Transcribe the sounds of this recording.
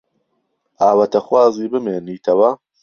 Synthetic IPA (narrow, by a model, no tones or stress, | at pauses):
ʔaːwɐt̪ʰɐxwaːziːbɨmeːniːt̪ʰɐwɐ